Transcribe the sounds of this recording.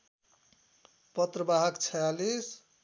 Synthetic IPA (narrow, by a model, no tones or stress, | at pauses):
pʌt̪rʌbaɦʌkt͡sʰʌjalis